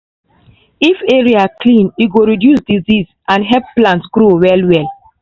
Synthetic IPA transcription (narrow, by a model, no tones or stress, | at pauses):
ifeɹiaklĩniɡoɹidjusdiziz | ãnɦɛp̚plãntsɡɾowɛlwɛl